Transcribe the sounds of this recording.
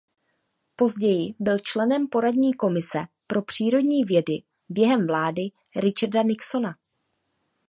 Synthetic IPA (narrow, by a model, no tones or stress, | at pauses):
po̞zɟɛjɪbɪlt͡ʃlɛnɛmpo̞ɾadɲiːko̞mɪsɛpɾo̞pr̝̥iːɾo̞dɲiːvjɛdɪ | bjɛɦɛmvlaːdɪ | ɾɪt͡ʃardanɪkso̞na